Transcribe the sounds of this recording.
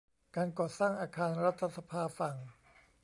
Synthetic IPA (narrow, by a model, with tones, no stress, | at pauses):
kaː˧nkɔː˨˩t̪saː˥˩ŋʔaː˧kʰaː˧nɾa˦˥t̪ʰːa˧sa˧pʰaː˧fa˨˩ŋ